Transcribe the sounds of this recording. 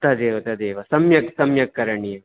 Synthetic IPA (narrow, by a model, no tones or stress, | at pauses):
t̪ɐd̪eːʋɐt̪ɐd̪eːʋɐsɐmjɐksɐmjɐkːɐɾɐɳi